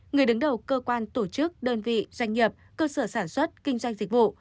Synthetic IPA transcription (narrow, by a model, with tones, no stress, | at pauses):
ŋɨ˨˩əjɗɨ˨˦ŋɗə˨˩wkəː˧kwaː˧nt̪o˧˩t͡ɕɨ˦˥k̚ɗəː˧nvḭ˧˨zwa˧jŋ̟ɲi˨˩əp̚kəː˧səː˧˩saː˧˩nswə˦˥t̚kï˧ŋ̟zwa˧jŋ̟zi˨˩k̟̚vṵ˧˨